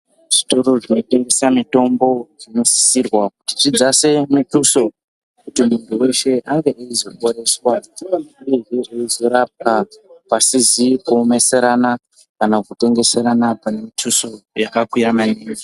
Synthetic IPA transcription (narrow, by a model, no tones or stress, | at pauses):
ʐ̥ito̞ɾo̞ʐino̞te̞ŋɡe̞samito̞mbo̞ʐino̞si̥sirwakuti̥t͡ʃid͡zasemutuso̞ | kutimuntʰuwe̞ʃe̞ʔaŋɡeʔeizo̞ɓo̞ɾe̞swatiŋanaueeʐeizo̞ɾap̚kapasizikuome̞se̞ɾana | kanakute̞ŋɡe̞se̞ɾanapane̞mitʰuso̞jakakwuamaneːŋɡe